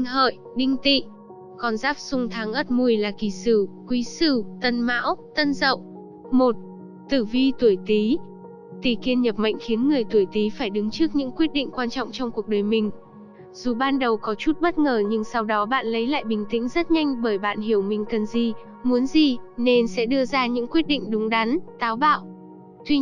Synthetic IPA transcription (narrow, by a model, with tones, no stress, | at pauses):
ŋɦə̰ː˧˨jɗï˧ŋ̟t̪ḭ˧˨ | kɔ˨˩nzaː˦˥p̚sʊ˧ŋ͡mt̪ʰaː˨˦ŋʔə˦˥t̚mu˧əjlaː˨˩ki˧˩sɨ˧˩kwi˨˦sɨ˧˩t̪ə˧˩nma̰ː˧˥wt̪ə˧nzə̰˧˨wʔ | mo˨˩t̚ | t̪ɨ˧˩vi˧t̪u˧˩əjt̪i˨˦ | t̪i˨˩ki˧ənɲə˨˩p̚ma̰˧˨jŋ̟xi˨˦ənŋɨ˨˩əjt̪u˧˩əjt̪i˨˦faː˧˩jɗɨ˨˦ŋt͡ɕɨ˦˥ək̚ɲɨ̰˧˥ŋkwi˦˥ət̚ɗḭ̈˧˨ŋ̟kwaː˧nt͡ɕɔ̰˧˨wŋ͡mt͡ɕɔ˧wŋ͡mku˨˩ək̚ɗəː˨˩jmï˨˩ŋ̟ | z̥u˨˩ɓaː˧nɗə˨˩wkɔ˨˦t͡ɕu˦˥t̚ɓə˦˥t̚ŋəː˨˩ɲɨ˧ŋsa˧wɗɔ˨˦ɓa̰ː˧˨nlə˨˦jla̰ː˧˨jɓï˨˩ŋ̟t̪ï˧˥ŋ̟zə˦˥t̚ɲa˧jŋ̟ɓəː˧˩jɓa̰ː˧˨nɦi˧˩əwmï˨˩ŋ̟kə˨˩nzi˨˩ | mu˨˦ənzi˨˩ne˧nsɛ̰˧˥ɗɨ˧əzaː˧ɲɨ̰˧˥ŋkwi˦˥ət̚ɗḭ˧˨ŋ̟ɗʊ˨˦ŋ͡mɗa˨˦nt̪aː˨˦wɓa̰ː˧˨w | t̪ʰwi˧